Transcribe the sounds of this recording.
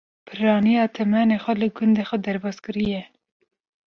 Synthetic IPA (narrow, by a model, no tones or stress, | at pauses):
pʰɨɾɑːnijɑːt̪ʰɛmɛneːxʷɛlɨɡʊnd̪eːxʷɛd̪ɛɾbɑːskɨɾijɛ